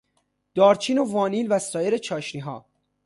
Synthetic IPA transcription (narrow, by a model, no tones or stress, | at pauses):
d̪̥ɒːɾt͡ʃʰiːnovɒːniːlvæst̪ɒːjeɾe̞t͡ʃʰɒːʃniːɦɒː